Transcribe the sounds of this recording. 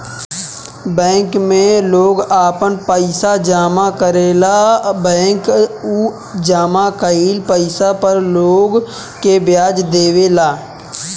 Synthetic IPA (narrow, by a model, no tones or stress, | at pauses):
bɛ̃ːŋkmẽloːɡaːpənpəɪsad͡ʒaːmakəɾeːlabɛ̃ːŋku | d͡ʒaːmakəiːlpəɪsapəɾloːɡ | kebjaːd͡ʒd̪eːʋelaː